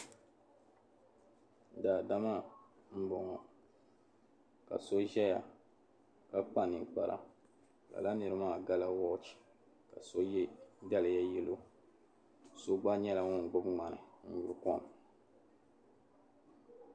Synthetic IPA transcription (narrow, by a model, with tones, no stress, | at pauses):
daː˨da˦ma˦ | m̩˦bɔ˨ŋɔ˨ | ka̰˨so˦ʒɛ˦ja˨ | ka˦k͡pa˦˨ni˨k͡pa̰˨ɾʔa̰˨ | la̰˨la˦nɨ˨ɾɨ˦maː˦˨ɡa˦la˦wɔ˦t͡ʃi̥˨ | ka̰˨so˦jɛ˦da˦lɪ˨ja˦jɛ˦lo˦ | so˦ɡ͡ba˦ɲɛ˦la˨ŋɔ˦˨ŋ˨ɡ͡bʊ˦bŋ͡ma˨nɨ̰˨ɲ̩˨ɲu˨ɾkɔ˦˨m˨